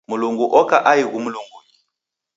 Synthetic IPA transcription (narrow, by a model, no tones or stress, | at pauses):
muluŋɡuʔɔkaʔaiɣumuluŋɡuɲi